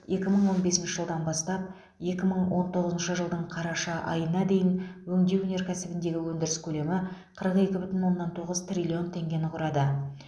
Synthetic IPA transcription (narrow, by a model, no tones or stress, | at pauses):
je̞kʲɪməɴwo̞nbe̞sɪnʃɪʒəlˠd̪ɑnbɑst̪ɑp̚ | je̞kʲɪməɴwo̞nt̪ʰo̞ʁəzənʃəʒəlˠd̪əɴqʰɑɾɑʃɑʔɑ̰jənɑd̪e̞jɪnwɵŋd̪ewɵne̞ɾkʲʰæsɪbɪnd̪e̞ɡʲɪwɵnd̪ɪɾɪskʲʰɵle̞mɪqʰəɾəqe̞kʲɪbʏt̪ɪnwo̞nːɑnt̪ʰoʁəzt̪rʲilʲio̞nt̪ʰe̞ŋɡʲe̞nɪqʰʊɾɑd̪ə